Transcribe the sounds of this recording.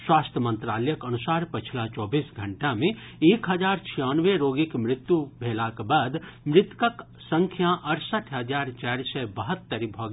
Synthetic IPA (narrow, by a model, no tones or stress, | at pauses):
swast̪ʰjəmə̃nt̪ɾalɛjəkənusaɾpət͡ʃʰilat͡ʃɔːbisɡʱəɳʈamẽ | ekɦəd͡ʒaɾt͡ʃʰijanʋeɾoɡikmɾɪt̪jubʱelakbad̪mɾɪt̪kək | səŋkʰjaʔəɾsəʈʰɦəd͡ʒaɾt͡ʃaɾsɛbəɦət̪ːəɾibʱɔɡ